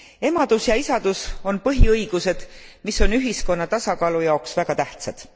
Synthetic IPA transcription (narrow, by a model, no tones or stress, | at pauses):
e̞mɑd̪̥usjɑisɑd̪̥uso̞npɤɦiɤiɡ̥use̞d̪̥miso̞nyɦisko̞nːɑt̪ɑsɑkɑːlujɑoksvæɡ̥ɑt̪æht̪sɑd̪̥